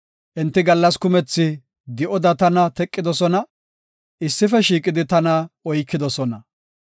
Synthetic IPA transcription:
ʔɛnt̪ːɪɡɐlːɐskʊmɛt͡sːɪ | d̪ɪʔɔd̪ɐt̪ɐnɐt̪ɛkʼːɪd̪ɔsɔnɐ | ʔɪsːɪfɛʃiːkʼɪd̪ɪt̪ɐnɐɔjkːɪd̪ɔsɔnɐ

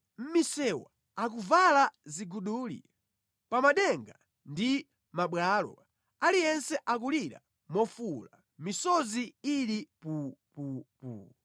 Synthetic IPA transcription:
m̩misɛwa̰ | ak̬uvalaziɡuɗuːlḭ | pamaɗɛŋɡa | ndi | maɓwalɔ̰ | alijɛnsɛʔak̬uliɾa̰ | mɔfula̰ | misɔziilipupupṵː

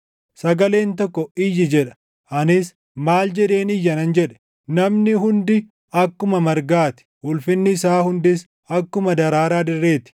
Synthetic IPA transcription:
sɐɡɐle̞ːnt̪ɔkːɔɪjːɪd͡ʒɛᶑɐ̥ | ʔɐnɪs | maːld͡ʒɛᶑe̞ːnɪjːɐnɐnd͡ʒɛᶑɛ̥ | nɐmnɪɦʊnd̪ɪ | ɐkːʊmɐmɐɾɡaːt̪ɪ̥ʔʊlfɪnːɪːsaːhʊnd̪ɪs | ɐkːʊmɐd̪ɐɾaːɾaːd̪ɪrːe̞ːt̪ɪ̥

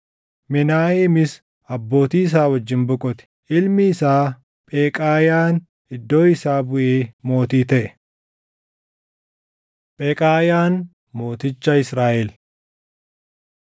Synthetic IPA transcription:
mɪnaːheːmɪs | ɐbːo̞ːt̪iːɪs̬aːwɐd͡ʒːɪnbʊkʼɔt̪ɛ̥ | ʔɪlmɪːsaː | pʼeːkʼaːjaːn | ɪd̪ːo̞ːɪsaːbʊʔeːmo̞ːt̪iːt̪ɛʔɛ̥ | pʼeːkʼaːjaːn | mo̞ːt̪ɪt͡ʃːɐɪsɾaːʔɛl

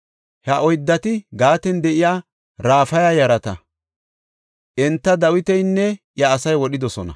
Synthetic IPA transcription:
hɐʔɔjd̪ːɐt̪ɪɡaːt̪ɛnd̪ɛʔɪjaː | ɾaːfɐjaːjɐɾɐt̪ɐ | ʔɛnt̪ːɐd̪ɐwɪt̪ɛjnːɛʔjɐːsɐjwɔɗɪd̪ɔsɔnɐ̰

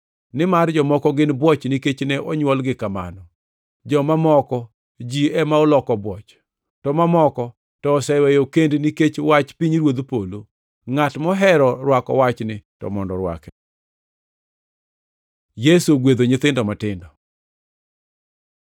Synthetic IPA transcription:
nɪmard͡ʒɔmɔkɔɡɪnbwɔt͡ʃniket͡ʃnɛʔɔɲwɔlɡɪkama̰nɔ | d͡ʒɔmamɔkɔ | d͡ʒiɛmaɔlɔkɔbwɔt͡ʃ | tɔmamɔkɔ | tɔːsɛwɛjokendniket͡ʃwat͡ʃpiɲɾwod̪polo | ŋatmɔɦɛɾɔɾwakɔ̰wat͡ʃnɪtɔ̰mɔndɔɾwa̰kɛ̥ | jesuɡwed̪oɲɪt̪ɪndɔmatɪndɔ

